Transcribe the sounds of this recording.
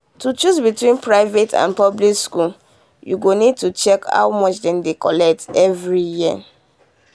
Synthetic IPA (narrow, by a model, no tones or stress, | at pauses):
tut͡ʃusbitwĩnpɹaɪvetʰã̰npɔblikskul | jṵɡonid̚tut͡ʃɛkha̰wmɔt͡ʃdɛ̃ndekɔlɛk̚tɛvɹijiə̰